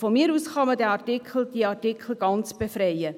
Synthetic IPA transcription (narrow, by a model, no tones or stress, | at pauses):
fɔmiːɾuːsχɑmədɛːɑrtikʰl̩d̥iəɑɾtikʰl̩ɡ̥ɑnt͡sb̥efɾɛɪə